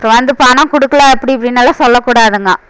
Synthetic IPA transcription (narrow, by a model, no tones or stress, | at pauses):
pɾɐʋɐnd̪ɯpaːnɐ̃ːkʊɽɯkːɐlaɛpːɐɽipːɐɽinɐlːasɔlːɐkːuːɽaːðɯŋɡɐ